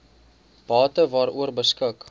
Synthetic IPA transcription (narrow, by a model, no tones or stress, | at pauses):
b̥ɑːtəvɑːɾuərbəskək